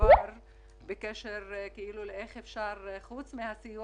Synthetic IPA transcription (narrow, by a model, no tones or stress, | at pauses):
aɾ | bekeʃeʁkeiluleeχefʃaʁχut͡smihasiju